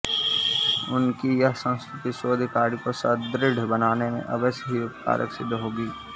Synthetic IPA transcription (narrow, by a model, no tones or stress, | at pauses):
ʊnkijɐɦsə̃ñskɾɪt̪iʃoːd̪ʱkaːɾikosɐd̪ɾɪɖ̤ʱbɐnaːnemḛ̃ʔɐbəsɦiʊpka̰ːɾʔə̰kʃɪd̪ɦoːɡiː